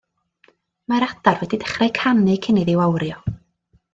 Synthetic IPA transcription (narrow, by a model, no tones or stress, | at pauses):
maɾad̥arwɛdid̥ə̥χrɛjkʰanɨkʰɪnɨðɪwawrjɔ